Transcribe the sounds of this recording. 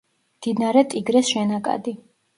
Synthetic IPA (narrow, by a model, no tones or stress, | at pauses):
md̪̥id̪naɾɛt̪ʼiɡɾɛsʃɛnakʼa̰d̪i